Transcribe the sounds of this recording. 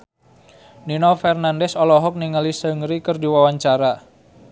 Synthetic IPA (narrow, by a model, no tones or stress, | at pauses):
ninɔfɛrnandɛsɔlɔɦɔk̚niŋalisəŋɾikərdiwawaɲt͡ʃaɾa